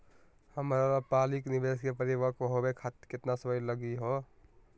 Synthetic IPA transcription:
həmɾaɾapaːlɪknɪbeːskepəɾiʋakoɦobekʰat̪kɪt̪nasəbəjləɡiɦo

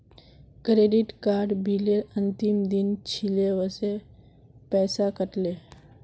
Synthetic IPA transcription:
kɾeːɖɪʈkaːɾɖbʱileənt̪ɪmd̪ɪnt͡ʃʰileʋəse | pɛːsakəʈle

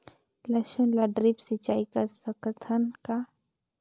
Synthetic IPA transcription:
lɐʃənlaɖɾipsit͡ʃaːikɐɾsəkət̪ʰənka

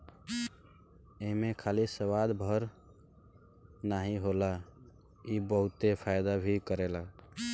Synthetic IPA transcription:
emekʰalisəwad̪bʱəɾ | naɦiɦola | ibəɦut̪epʰajd̪abʱikəɾela

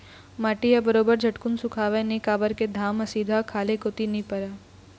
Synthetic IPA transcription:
maːʈijabɐɾoːbəɾd͡ʒʱɐʈkʊnsʊkʰaːʋenikaːbəɾked̪ʱaːmɐsiːd̪ʱakʰaːlekot̪inĩpɐɾaː

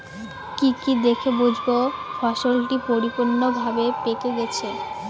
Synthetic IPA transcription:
kikid̪ekʰebud͡ʑʱbofaʃolʈipoɾipunːobʱabepekeɡɛt͡ɕʰe

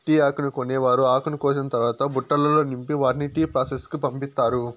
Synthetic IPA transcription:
ʈiːaːkɐnukoneːʋaːɾuaːkɐnukoːt͡ʃinɐt̪ɐɾʋaːt̪ɐbuʈːɐlɐlo̞ːnimpiʋaːɾniʈiːpɾaːseskupɐmpit̪ːaːɾu

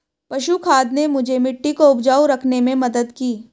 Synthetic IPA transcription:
pɐʃukʰaːd̪nemʊd͡ʒʱemɪʈːikoʊbd͡ʒaːwɾɐkʰnemẽmɐd̪əd̪kiː

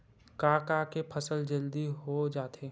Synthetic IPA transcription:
kaːkakepʰəsəld͡ʒəld̪iɦod͡ʒaːt̪eː

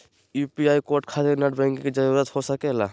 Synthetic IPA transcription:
jupiajkoʈ̚kʰad͡ʒenəʈbɛ̃ŋkked͡ʒaɾuɾət̪hosəkɛla

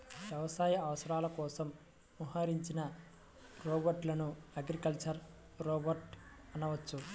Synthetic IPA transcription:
ʋjɐʋɐsaːjɐɐʋɐsɐɾaːlɐkɔːsɐmː | uɦaːɾiɲt͡ʃinɐ | ɾoːbɐɾʈlɐnuɐɡɾikɐlt͡ʃɐɾ | ɾɔːbɐɾʈ | ɐnɐʋɐt͡ʃːu

